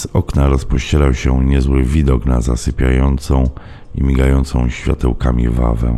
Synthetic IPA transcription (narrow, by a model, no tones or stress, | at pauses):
z̥ɔknaɾɔspɔɕt͡ɕɛlawɕɛɲɛzwɘvʲid̪ɔknazasɘpʲjajɔnt̪sɔ̃w̃ | imʲiɡajɔnt̪sɔ̃w̃ɕfʲja̰t̪ɛ̰wkamʲḭva̰vɛ̰̃